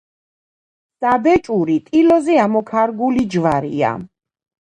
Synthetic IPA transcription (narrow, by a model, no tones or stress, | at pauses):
sab̪ɛt͡ʃʼuɾit̪ʼilɔzɛamɔkʰaɾɡulid͡ʒvaɾḭa̰